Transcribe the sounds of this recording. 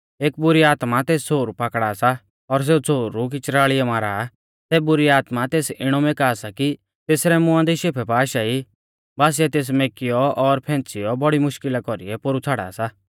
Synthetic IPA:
eːk̚bʊɾiaːt̪mat̪eːst͡sʰoːɾupaːkɽasa | ɔɾs̬eːut͡sʰoːɾuk̬ɪt͡ʃɾaːɭɪjɔmaːɾaː | sɛːbʊɾiaːt̪mat̪eːsɪɽ̃ɔmeːkasaki | t̪eːsɾɛmʊ̃ãnd̪iʃeːpʰɛpaːʃai | baːs̬ɪɛt̪eːs̬meːkɪjɔɔɾpʰɛ̃ːnt͡sɪjɔbɔɽimʊʃkɪlakɔɾḭɛpʊɾut͡sʰaːɽa̰ːsa

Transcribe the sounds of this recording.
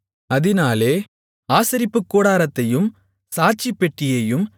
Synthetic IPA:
ɐðɪnaːleː | aːsɐɾɪpːɯkːoːɽaːɾɐt̪ːɐjɯm | saːt͡ʃːipːɛʈːɪjɐjɯm

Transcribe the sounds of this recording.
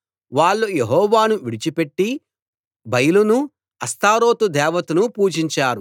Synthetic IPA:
ʋaːɭːujeɦɔːʋaːnuʋiɽit͡ʃipe̞ʈːi | bɐjilunu | ɐst̪aːɾo̞ːt̪ud̪ɛːʋɐt̪unupuːd͡ʒiɲt͡ʃaːɾu

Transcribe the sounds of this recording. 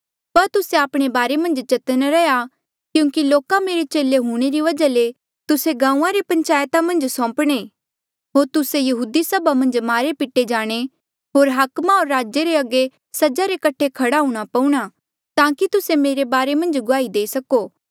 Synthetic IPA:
pɐɾt̪ʊseaːpɽ̃ebaːɾemɐ̃nd͡ʒt͡ʃɐt̪ənɾɛja | kjũːkiloːkameːɾet͡ʃeːleɦũːɽ̃eɾiʋɐd͡ʒale | t̪ʊseɡãːũːãɾepɐ̃ɲt͡ʃaːjt̪amɐ̃nd͡ʒsɔ̃ːpɽ̃eː | ɦoːɾt̪ʊsejɐɦuːd̪isɐbamɐ̃nd͡ʒmaːɾepɪʈed͡ʒaːɽ̃e | ɦoːɾɦaːkmaoːɾːaːd͡ʒeɾeɐɡe | sɐd͡ʒaɾekɐʈʰekʰɐɽaɦũːɽ̃apɐũɽ̃a | t̪ãːkit̪ʊsemeːɾebaːɾemɐ̃nd͡ʒɡʊaːid̪eːisɐkoː

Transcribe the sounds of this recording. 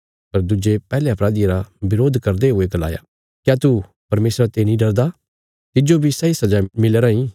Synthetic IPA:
pɐɾd̪ʊd͡ʒepɛːleɐpɾaːd̪iaɾabɪɾoːd̪ʱkɐɾd̪eɦʊeɡɐla̰ːja̰ | kjaːt̪u | pɐɾmeːsɾat̪enĩɖɐɾd̪a | t̪ɪd͡ʒobʱisɐisɐd͡ʒamɪlːɾaĩ

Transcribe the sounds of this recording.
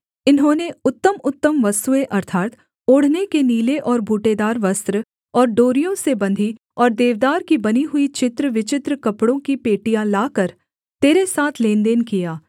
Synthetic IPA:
ɪnɦõːneʊt̪ːəmʊt̪ːəmʋɐst̪ueʔɐɾt̪ʰaːt̪ | ʊːɽ̤nekeniːleʔɔːɾbʱuːʈed̪aːɾʋɐst̪ɾə | ɔːɾɖoːɾijõsebɐ̃nd̪ʱi | ɔːɾd̪eːʋd̪aːɾkibɐniɦʊit͡ʃɪt̪ɾəʋɪt͡ʃɪt̪ɾəkɐpɽõkipeːʈijãlaːkəɾ | t̪eːɾesaːt̪ʰleːnd̪eːnkijaː

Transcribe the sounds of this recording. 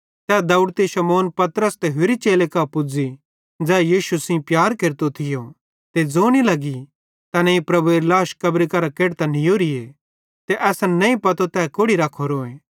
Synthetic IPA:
t̪ɛːd̪ɐʊɽt̪iʃɐmoːnpɐt̪ɾəst̪eɦʊɾit͡ʃeːlekɐpʊd͡zi | d͡zɛːjiːʃusĩpjaːɾkeːɾt̪ot̪ʰɪjo | t̪ed͡zoːnilɐɡi | t̪ɐnɐ̃ĩpɾɐbueɾlaːʃkɐbɾikɐɾakeːɽt̪anijoːɾie | t̪eʔɛːsanɐ̃ĩpɐt̪ot̪ɛːkoɽiɾaːkʰːoɾoːẽː

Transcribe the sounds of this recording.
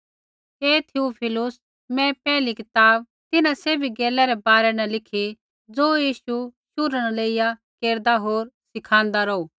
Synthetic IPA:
eːt̪ʰiupʰɪlʊs | mɛ̃pɛːlikɪt̪aːb̚ | t̪ɪnãseːbʱiɡeːlɛɾɛbaːɾɛnɛ̃lɪkʰi | d͡zoːjiːʃuʃʊɾəñleɪjakeːɾd̪aɦoːɾsɪkʰãːnd̪aɾɐuː

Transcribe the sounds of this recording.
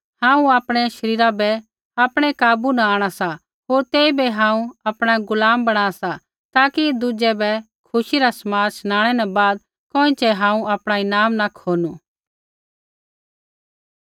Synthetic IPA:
hãːũaːpɽ̃ɛʃɐɾiːɾabɛ | apɽ̃ɛkaːbunaaːɽ̃asa | ɦoːɾt̪eːibɛɦãːũɐpɽ̃aɡʊlaːmbɐɽ̃aːsa | t̪aːkid̪ʊd͡ʒɛbɛ | kʰʊʃiɾasɐmaːɾsñaːɽ̃ɛnɛ̃baːd̪̚ | kõːĩt͡ʃɛɦãːũapɽ̃aɪnaːmnakʰoːnu

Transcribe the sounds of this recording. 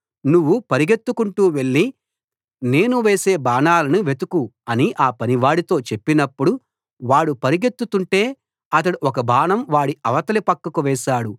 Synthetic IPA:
nuʋːupɐɾiɡe̞t̪ːukuɳʈuːʋe̞ɭːi | ne̞ːnuʋeːse̞ːbaːnaːlɐnuʋe̞t̪ukuɐniʔaːpɐniʋaːɽit̪o̞ːt͡ʃe̞pːinɐpːuɽu | ʋaːɽupɐɾiɡe̞t̪ːut̪uɳʈe̞ː | ɐt̪̬ɐɽuɔkɐbʱaːnɐmʋaːɽiʔɐʋɐt̪ɐlipɐkːɐkuʋɛːʃaːɽu

